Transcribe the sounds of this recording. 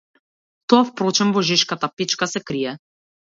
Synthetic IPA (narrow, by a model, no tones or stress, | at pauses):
t̪ɔafpɾɔt͡ʃɛnvɔʒiʃkat̪apit͡ʃkasɛkɾiɛ